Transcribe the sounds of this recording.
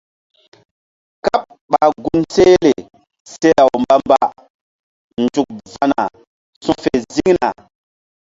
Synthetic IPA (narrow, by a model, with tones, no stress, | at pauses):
ka˦p̚ | ɓa˨ɡu˦nse˦le˨ | se˦a˨wmba˦mba̰˦ | n˨d͡ʒu˨k̚va˦na̰˨ | sũ˦fe˨zi˦ŋna˨